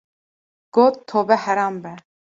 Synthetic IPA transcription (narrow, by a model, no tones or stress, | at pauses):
ɡ̥oːt̪ʰːoːbɛhɛɾɑːmbɛ